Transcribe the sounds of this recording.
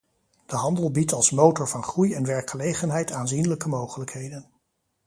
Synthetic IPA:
d̥əɦɑndəlˠbitɑlˠsmowtɔɹvɑnχrujɛnʋɛɹkχəlejχənɦɛjtaːnzinələkəmowχələkɦejdən

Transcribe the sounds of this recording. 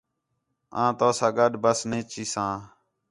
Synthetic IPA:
ãːt̪oːsãːɡəɗbəsnẽːt͡ʃiːsãː

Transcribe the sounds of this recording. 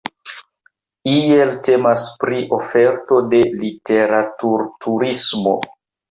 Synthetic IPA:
ie̞lte̞maspɾiʔo̞fe̞ɾto̞de̞lite̞ɾatuɾtʰuɾismo̞̰

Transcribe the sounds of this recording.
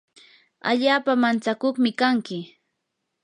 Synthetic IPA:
a̰ʎaːpamant͡sakoχmɪkaŋkɪ

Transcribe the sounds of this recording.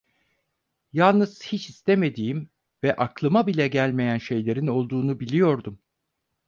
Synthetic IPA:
jalˠnɯz̥hit͡ʃist̪ʰeme̞d̪ijim | vɛʔaklˠɯmabilʲɛɟælʲme̞jænʃe̞jlʲe̞ɾino̞lˠd̪uːnubilʲijo̞ɾd̪um

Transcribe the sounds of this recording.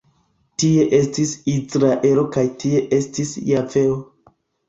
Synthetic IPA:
tie̞ʔe̞stisisɾaʔe̞lo̞kajtʰie̞ʔe̞stisjave̞o

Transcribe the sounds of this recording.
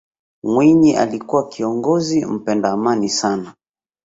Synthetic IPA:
mwiɲiʔa̰likuwakiɔŋɡɔzim̩pɛndaːmanisana

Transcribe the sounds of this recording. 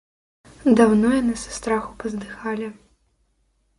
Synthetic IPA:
d̪awnɔjanɨsɐ̥st̪ɾaxupɐzd̪ɨxalʲi

